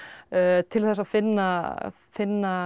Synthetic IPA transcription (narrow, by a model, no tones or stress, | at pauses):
t̪ʰɪlθɛs̬afɪnːa | fɪnːa